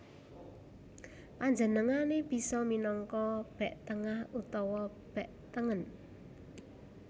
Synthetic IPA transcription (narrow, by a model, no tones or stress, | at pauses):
paɲd͡ʒənəŋaneb̥i̤sɔminɔŋkɔb̥ɛ̤ʔt̪əŋahut̪ɔwɔ | b̥ɛʔt̪əŋən